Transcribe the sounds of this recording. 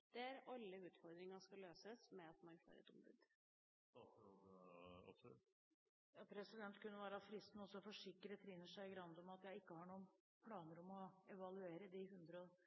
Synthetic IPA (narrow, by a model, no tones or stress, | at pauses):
d̪̥ɛæɾʔɑlːəʉːt̪fɔɾd̪ɾɪŋɑskɑløːsəsmɛɑt̪mɑnfo̰ːɾɛ̰t̪ʊmbʉ̰d̪ | ɑ̰psʉ̰t̪ | jɑpʰɾɛsɪd̪ɛnt̪kʉnːəʋæːɾəɑt̪fɾɪst̪n̩ɔsːɔfɔʂɪkːəɾət̪ʰɾɪnːəʂæɪɡɾɑnd̪ɔmɑt̪jæɪɪkːəhɑɳuːən | pʰlɑːnəɾɔmɔɛʋɑlʉeːɾəd̪ɪhʉnd̪ɾəɔ